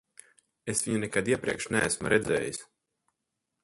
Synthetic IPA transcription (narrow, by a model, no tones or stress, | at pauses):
esvʲiɲunɛkad̪iɛpɾḭɛkʃnææsmṵɾʔɛd̪zɛ̰ːjisʲ